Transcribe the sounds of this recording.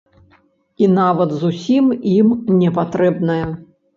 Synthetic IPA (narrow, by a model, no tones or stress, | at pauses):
inavɐt̪zusʲimimnʲɛpat̪ɾɛbnɐjɐ